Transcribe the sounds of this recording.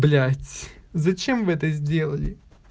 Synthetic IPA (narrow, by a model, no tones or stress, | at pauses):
blʲætʲzɐt͡ɕemvɨɛt̪əzʲdʲe̞lˠəlʲɪ